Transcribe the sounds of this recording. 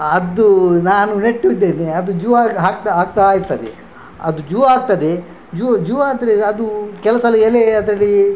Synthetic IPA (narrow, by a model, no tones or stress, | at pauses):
ɐd̪ːunaːnuneʈːud̪ːeːneɐd̪ud͡ʒuʋaɡɦaːɡt̪aɦaːɡ̚t̪aaːjiɾt̪ɐd̪ḛ | ɐd̪ud͡ʒuʋɐaːɡ̚t̪ɐd̪e | d͡ʒuʋɐd͡ʒuʋɐːd̪ɐɾeɐd̪ukɛlɐsɐlɐɛleɐd̪ɐɾɐlːi